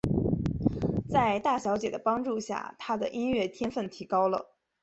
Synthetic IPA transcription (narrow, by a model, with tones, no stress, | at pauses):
t͡sa˥˧ɪt̪a˥˩ɕjɑ˧˥ʊt͡ɕjɛ˨˩d̪ə˦pɑ˥ŋʈ͡ʂu˥˧ɕja̰˥˩t̪ʰa˥d̪ə̰˨ʔi˥nɥɛ˥˩t̪ʰjɛ˥nfə˥˩nt̪ʰi˧˥kɑ˥ʊlə̰˨